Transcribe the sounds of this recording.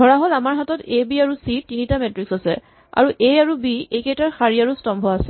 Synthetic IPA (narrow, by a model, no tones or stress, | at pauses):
dʱɔɹaɦɔlamaɹɦatɔtebiaɹusitinitamɛtɹiksasɛ | a̰ɹuʔejaɹubiejkejtaɹxaɹiaɹustɔmbʱɔasɛ